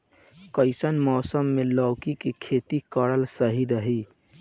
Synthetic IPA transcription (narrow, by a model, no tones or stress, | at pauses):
kəɪsənmɔːsəmːelɔʊkikekʰet̪ikəɾəlsəɦiɾəɦi